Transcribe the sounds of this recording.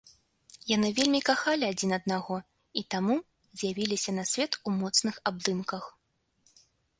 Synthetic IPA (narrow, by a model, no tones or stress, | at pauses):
janɨvʲelʲmʲikaxalʲiad͡zʲinɐd̪̚naɣɔ | it̪amu | zʲjavʲilʲisʲɐnɐsʲvʲɛt̪umɔt̪snɨxab̚d̪ɨmkɐx